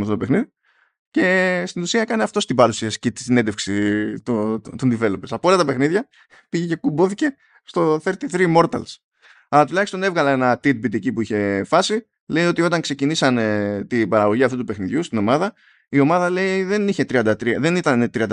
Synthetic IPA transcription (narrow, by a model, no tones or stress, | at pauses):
mɐft̪oopexniði | ce̞st̪inusiɐkɐneɐft̪o̞st̪ibɐɾusiɐsi̥cet̪i̥sine̞nd̪efksit̪ut̪und̪ive̞lo̞peɾsɐpoolɐt̪ɐpe̞xniðʝɐ | piʝece̞kumbo̞θice̞ | st̪o̞θe̞ɾt̪iθɾimo̞ɾt̪ɐ̰ls | ɐlɐt̪ulɐçist̪o̞ne̞vɣɐlɐenɐt̪it̪̚bit̪icipuiçe̞fɐsi | le̞io̞t̪io̞t̪ɐŋkse̞cinisɐnet̪ibɐɾɐɣo̞ʝiɐft̪ut̪upexniðʝust̪ino̞mɐðɐ | io̞mɐðɐle̞iðe̞niçe̞t̪ɾiɐnd̪ɐt̪ɾiɐðe̞nit̪ɐnet̪ɾiɐnd̪